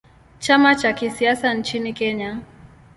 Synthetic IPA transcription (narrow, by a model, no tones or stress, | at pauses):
t͡ʃamat͡ʃakisiasant͡ʃinikɛɲa